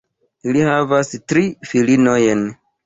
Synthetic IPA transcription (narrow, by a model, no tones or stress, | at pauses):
ilihavastɾifilinojen